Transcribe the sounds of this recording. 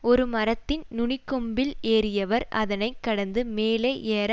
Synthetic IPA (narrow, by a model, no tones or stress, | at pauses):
ɔɾɯmɐɾɐt̪ːɪnnʊɳɪkːɔmbɪleːɾɪjɐʋɐɾɐ̰ðɐnɐɪkːɐɽɐnd̪ɯmeːleːʔeːɾ